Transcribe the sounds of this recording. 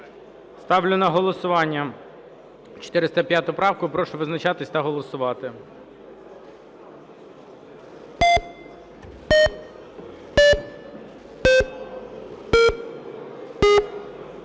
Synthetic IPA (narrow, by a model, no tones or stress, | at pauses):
st̪ɑwlʲʊnɐɦɔlˠɔsʊʋɑnʲːɐ | t͡ʃɔ̥t̪ɪɾɪst̪ɐpʲjat̪ʊpɾɑwkʊpɾɔʃʊʋɪznɐt͡ʃɑt̪ɪsʲt̪ɐɦɔlˠɔsʊʋɑt̪ɪ